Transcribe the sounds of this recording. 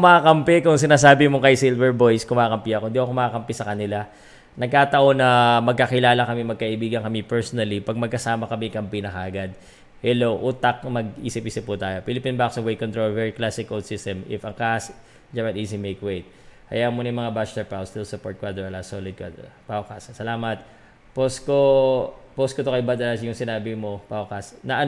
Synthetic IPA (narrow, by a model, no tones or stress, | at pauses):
mɐakɐmpɛkʊŋsɪnaːs̬aːbɪmokɐjsilvɛɹbo̞jskʊmakɐmpiɐkond̪iʔɐkomɐkakɐmpɪsɐkɐnɪla | nɐɡ̚kaːt̪ɐʔo̞nɐmɐɡ̚kɐkɪlaːlɐkɐmimɐɡ̚kɐʔɪbiːɡɐnkɐmipɛɹsonɐlipɐɡ̚mɐɡ̚kɐsaːmɐkɐmikɐmpinɐkɐʔɐɡad̪̚ | hɛlo̞wʔuːt̪ak̚mɐɡʔḭːsɪpʔiːsɪp̚ːʊt̪aːjo̞pilɪpinbaksɐwɛj̪kont̪ɾolvɛɹiklasɪkːold̪sɪst̪ɛmɪ̰fɐŋkas | d͡ʒamɐnʔisɪmejkwejt̪̚ | hɐ̰jamonɐjmɐŋabast̪ɛpawst̪ɪlsʊpoɹt̪̚kwad̪ɾɛlasolɪd̪̚kwa̰pawkassɐlaːmɐt̪̚ | poskoposkot̪okɐjbad̪ɐɐsjʊŋsɪnaːbɪmo̞pawkɐsnɐʔɐ